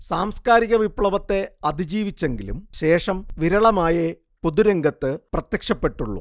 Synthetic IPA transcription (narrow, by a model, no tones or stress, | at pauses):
saːmskaːɾiɣɐʋipɭɐʋɐt̪ːe̞ɐd̪id͡ʑiːʋit͡ɕːe̞ŋɡilṵmɕe̞ːʂɐmʋiɾɐɭɐmaːjɐ | poðuɾeŋɡɐt̪ːɨprɐt̪jɐkʂɐpːe̞ʈːuɭːṵ